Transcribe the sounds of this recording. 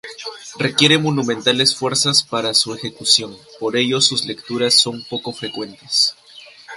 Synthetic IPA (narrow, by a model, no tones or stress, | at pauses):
re̞kje̞ɾe̞monũmẽnt̪ale̞sfwe̞ɾsaspaɾasue̞xe̞kusjo̞npo̞ɾe̞ʝo̞suzle̞kt̪uɾasːo̞mpo̞ko̞fɾe̞kwe̞nt̪e̥s